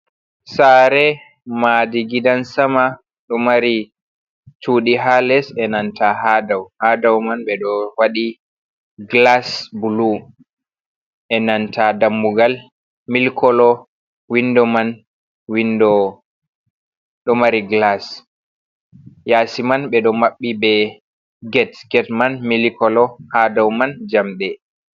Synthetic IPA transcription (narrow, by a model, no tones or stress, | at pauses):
saːɾɛ | madiɡidansama | ɗɔmaɾi | t͡ʃuɗiɦalɛsɛnantʰaɦadawhaːdawmanɓɛɗɔwaɗi | ɡlasbulu | ʔɛnantʰadamːuɡal | milkʰɔlɔ | windɔman | windɔ | ɗɔmaɾiɡlas | jasimanɓɛɗɔmaɓːibɛ | ɡɛtɡɛtmanmilikɔlɔhadawmand͡ʒamɓɛ